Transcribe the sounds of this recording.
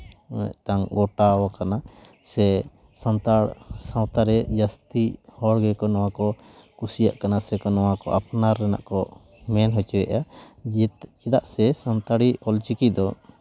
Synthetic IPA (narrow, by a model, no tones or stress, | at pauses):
ɛ̰ʈaŋɡɔʈawakanasɛ | sant̪aɽsãwt̪aɾɛd͡ʒast̪ihɔɽɡɛkɔnɔwakɔ | kusija̰ʔkanasɛkɔnɔwakɔ̰ʔapnaɾːɛna̰ʔkɔ | mɛnɦɔt͡ʃuwɛʔa | t͡ʃɛd̪aʔsɛsant̪aɽiɔlt͡ʃikid̪ɔ